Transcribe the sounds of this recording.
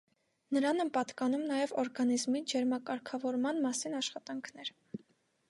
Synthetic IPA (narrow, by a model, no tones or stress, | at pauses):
nəɾɑnɛnpɑt̪kɑn̪umnɑjɛvɔɾɡɑnizmid͡ʒɛɾmɑkɑɾkʰɑvɔɾmɑnmɑsinɑʃχɑt̪ɑŋkʰnɛɾ